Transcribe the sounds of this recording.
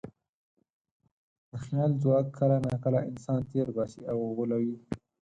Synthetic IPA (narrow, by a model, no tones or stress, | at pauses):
d̪̥əxjɑːlzwɑːkʰːəlanakəlaʔɪnsɑːnt̪eːɾɡɑsiawɣolawi